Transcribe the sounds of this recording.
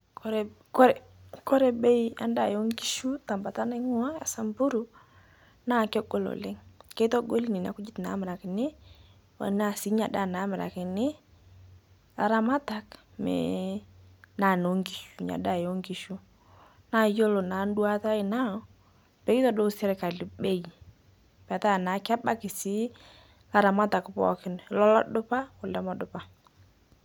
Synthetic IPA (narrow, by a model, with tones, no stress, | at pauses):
kɔ˦ɾ | kɔ˦ɾɛ˨ | kɔ˦ɾɛ˦bɛ˦ia̰˦nda˨jɔ˦ŋɡi˦ʃu˦ta˨mba˨ta˦ne˦ŋʊ˦a˦a̰˨sa˨mbu˦ɾu˦ | na˦˨kɛ˦ɡɔ˦˨lɔ̰˨lɛ˦ŋke˦tɔ˦ɡo˦li˦ni˨n˨a̰˨kʊ˦d͡ʒɪ˦t̪na̰˨˦mɪ˨ɾa˨kɪ˨nɪ˦ | a̰˨na˨si˦ɲa˨da˦˨na˨˦mɪ˨ɾa̰˨kɪ˨nɪ˦ | a̰˨ɾa˦ma˦ta˨k | mɛ̰˨ | na˨no˨˦ŋki˨ʃu˨ɲa̰˨da˦˨jo˦ŋɡi˨ʃu˦ | na˦˨jo˦lo˨na˨˦n˦du˦a˦ta˦ɪ˨na˦ | pɛ˨˦i˦tɔ˦do˦sɛ˦ɾka˨lɪ˨be˦˨i˨ | pɛ˨ta˦˨na˨˦ka˦ba˦kɪ˨sɪ˦ | la˦ɾa˨ma˦ta˨kpɔ̰˨kɪ˨n˨˦lɔ˦lɔ˦dʊ˦pa˦ʊ˨lɛ˦mɔ˦dʊ˦pa˨˦